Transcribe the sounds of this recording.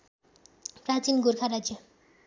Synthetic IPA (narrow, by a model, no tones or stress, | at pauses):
prat͡sinɡuɾkʰaɾad͡zjʌ